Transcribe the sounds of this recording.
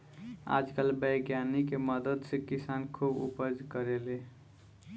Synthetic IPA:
a̰d͡ʒkəlbəjɡjanikeməd̪əd̪sẽkisankʰubṵpəd͡ʒkəɾele

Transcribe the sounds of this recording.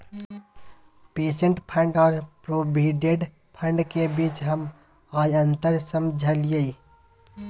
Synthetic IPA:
peːʃə̃ɳʈpʰə̃ɳɖɔːɾpɾoːbʱiːɖeɖ | pʰə̃ɳɖkebiːt͡ʃɦəm | aːjə̃nt̪əɾsəmd͡ʒʱəlɪjəi

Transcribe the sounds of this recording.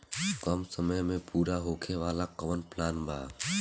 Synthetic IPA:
kɔmsəməmẽpuːɾaɦoːkʰeʋaːlaqɐʋənplaːnbʱa̰ː

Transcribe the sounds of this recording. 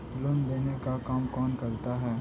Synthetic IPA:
lʊnd̪eːnekakaːmkɔːnkɐɾt̪aɦɛː

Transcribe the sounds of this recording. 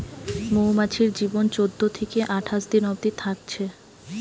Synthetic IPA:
moumat͡ɕʰiɾd͡ʑibont͡ɕod̪ːot̪ʰekeʔaʈʰaʃd̪inɔbd̪it̪ʰak̚t͡ɕʰe

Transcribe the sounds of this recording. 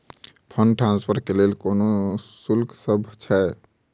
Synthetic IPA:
pʰəɳɖʈɾãnspʰəɾkelelkonosulkʰsəbʱt͡ʃʰɛe

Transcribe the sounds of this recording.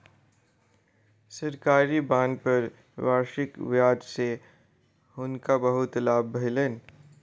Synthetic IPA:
sɐɾkaːɾibãːnpɐɾ | ʋaːɾʃɪkʋjaːd̪se | hʊnkabɐɦʊt̪laːbːʱɐlən

